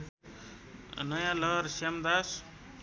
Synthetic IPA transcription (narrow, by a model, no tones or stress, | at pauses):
nʌjãlʌɦɾsamd̪as